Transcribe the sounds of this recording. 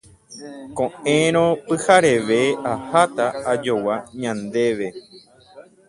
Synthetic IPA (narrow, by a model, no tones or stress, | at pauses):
kõẽɾ̃õpɨhaɾe̞ʋe̞ahat̪aːd͡ʒowaɲãnd̪e̞ʋe̞